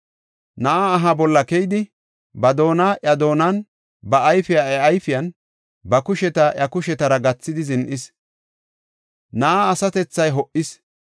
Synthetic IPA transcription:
nɐʔaːɦɐbɔlːɐkɛjɪd̪ɪ | bɐd̪o̞ːnaːʔɐd̪o̞ːnan | bɐʔːjfɪjaɛɐjfɪjɐn | bɐkʊʃɛt̪ɐʔɐkʊʃɛt̪ɐɾɐɡɐt͡sːɪd̪ɪzɪnʔɪs | nɐʔaːsɐt̪ɛt͡sːɐjɦɔʔɪs

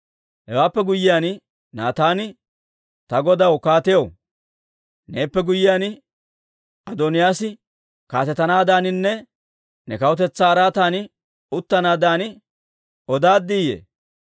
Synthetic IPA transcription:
hɛwaːpːɛɡʊjːɪjaːn | na̰ːt̪aːnɪ | t̪ɐɡɔd̪ɐwkaːt̪ɛjɔw | ne̞ːpːɛɡʊjɪjaːn | ɐd̪oːnɪjaːsɪ | ka̰ːt̪ɛt̪ːɐnaːd̪aːnɪnːɛ | nɛkɐwʊt̪ɛt͡sːaːɾaːt̪aːnɪ | ʊt̪ːɐnaːd̪aːnɪ | ɔd̪aːd̪ːiːjḛː

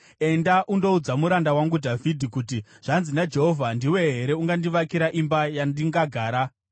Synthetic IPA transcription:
e̞ndaʔundo̞ud͡zamuɾandawaŋɡudʱavʱidʱikut̬i | ʐ̥anzinad͡ʒe̞ɦo̞vʱandiwe̞ɦe̞ɾe̞uŋɡandiʋakiɾaʔimbajandiŋɡaɡʱaːɾa

